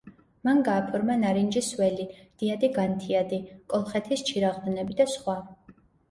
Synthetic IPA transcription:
manɡaːpʰɔɾmanaɾind͡ʒiswɛlid̪̥iad̪iɡant̪ʰiad̪ikʼɔlˠχɛt̪ʰist͡ʃʰiɾaʁd̪nɛbid̪asχwa

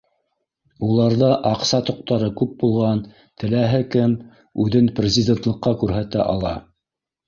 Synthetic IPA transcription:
ulˠɑɾðɤʔɑqsɑt̪ŏq̚t̪ɑɾɤkʉp̚bulˠʁɑn | t̪ɘ̆læɦɘkɘm | ʉðɘnprʲɪzʲɪdʲent̪lˠɤ̆qːɑkʉɾɦæt̪æ̰ʔɑ̰lˠɑ̰

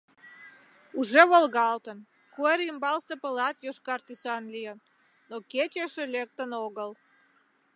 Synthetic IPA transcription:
uʒeβolɣɑlt̪ən | kueɾimbɑlsepəlɑt̪joʃkɑrt̪ysɑnlijən | noket͡ɕeʃelek̚t̪ənoɣəl

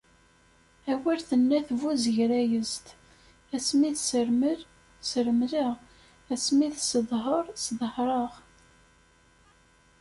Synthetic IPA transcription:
æwælθənːæθvuzəʝɾæjəzt̪ | æsmiθsəɾməɾ | səɾmləʁ | æsmiθsəðˤɦəɾˤsðˤhɾˤəʁ

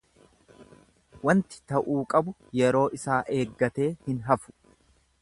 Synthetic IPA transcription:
wɐnt̪ɪ̥t̪ɐʔuːkʼɐbʊjɛɾo̞ːʔɪsaːʔe̞ːɡːɐt̪e̞ːhɪnɦɐfʊ̥

